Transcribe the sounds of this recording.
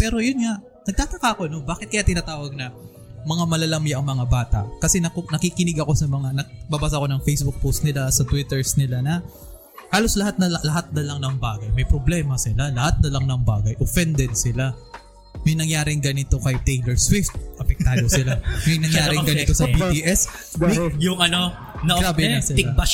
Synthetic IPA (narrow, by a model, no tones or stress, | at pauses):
pɛːɾo̞jʊnŋaʔ | nɐɡ̚t̪aːt̪ɐkaʔɐko̞no̞baːkɪt̪̚kɐjaʔt̪ɪnat̪aːwɐɡ̚nɐ | mɐŋamɐlɐlɐmjaʔɐŋmɐŋabaːt̪ɐ̰ʔkɐsɛnɐkonɐkikɪnɪɡɐko̞sɐmɐŋanɐbɐbaːs̬aɐko̞nɐŋfejsbʊk̚powst̪̚nɪlasɐt̪wɪt̪ɛɹsnɪlanɐ | haːlo̞slɐhat̪̚nɐllɐhat̪̚nɐlɐŋnɐŋbaːɡɐjmɐjpɾoblɛːmɐsɪlalɐhat̪̚nɐlɐŋnɐŋbaːɡɐjʔofɛnd̪ɛd̪̚sɪla | mɐjnɐŋjaːɾɪŋɡɐnɪt̪o̞kɐjt̪ɛjlɛɹsfɪt̪ʔɐpɛk̪̚aːd̪osɪlamɐjnɐŋjaːɾɪŋɡɐnɪt̪osɐbiːp̪iʔɛs | mɐjʊŋʔɐno | ɡɾaːbɪnɐsɪla